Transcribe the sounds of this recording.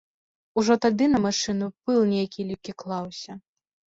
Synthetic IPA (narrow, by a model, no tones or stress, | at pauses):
uʐɔt̪ad̪ɨnɐmaʂɨnupɨlˠnʲejakʲilʲikʲiklˠawsʲɐ